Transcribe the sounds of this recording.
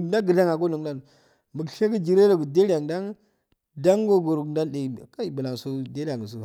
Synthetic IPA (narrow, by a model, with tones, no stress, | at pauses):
nda˦ɡə˨da˦ŋa˨ɡo˦nu˨˦da˦n˨ | mbə˨kʃe˦kə˦d͡ʒi˨ɾe˦ɾo˦˨ɡə˨de˦ɾʲa˨ŋda˦ŋ | da˦ŋɡo˦ɡo˨ɾu˨ɡnda˦nɗe˨ka˦i˨bə˨la˨ŋ˨su˦de˦ɾa˨ŋ˨s̬u˨